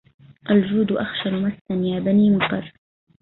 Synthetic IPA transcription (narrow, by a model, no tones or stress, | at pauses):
ʔald͡ʒuːd̪ʊʔaxʃanmasːanjaːbaniːmʊqɑɾˤ